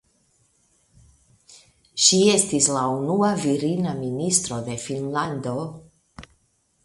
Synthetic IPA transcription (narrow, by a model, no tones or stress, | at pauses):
ʃie̞stislaunuaviɾinaministɾo̞de̞finlando̞